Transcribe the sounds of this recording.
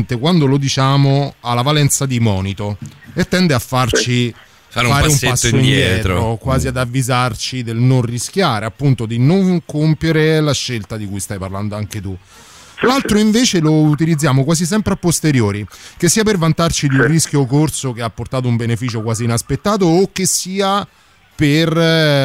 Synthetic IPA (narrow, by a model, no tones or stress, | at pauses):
nt̪ekwand̪olod̪it͡ʃaːmoalːavalɛnt̪sad̪imɔːnit̪oet̪ːɛnd̪eafːart͡ʃi | faɾfaːɾeumːpasːoindɛjɛːtːt̪ɾoɾokwaːziad̪avːizart͡ʃid̪elnonrisk̟jaːɾeapːunt̪od̪inoŋkompjeɾelaʃːelt̪ad̪ikujst̪ajparland̪oaŋket̪u | lalt̪ɾoiɱveːt͡ʃelout̪̬ilid̪zːjaːmokwaːzis̬ɛmpɾeapːost̪eɾjoːɾik̟esːiːapervant̪art͡ʃid̪iunrisk̟jokorsokeapːort̪aːt̪oumbenefiːt͡ʃokwaːziːnaspet̪ːaːt̪̬oːkːesːiːa | per